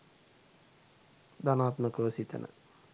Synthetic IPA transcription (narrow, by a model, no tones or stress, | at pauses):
d̪anaːt̪məkəʋəsit̪ə̰nʔə̰